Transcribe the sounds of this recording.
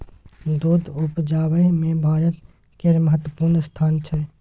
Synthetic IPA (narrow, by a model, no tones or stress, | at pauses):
d̪oːd̪ʊpd͡ʒaːʋəmẽbʱaːɾət̪ | keɾməɦət̪ːwəpuːɾnst̪ʰaːnt͡ʃʰə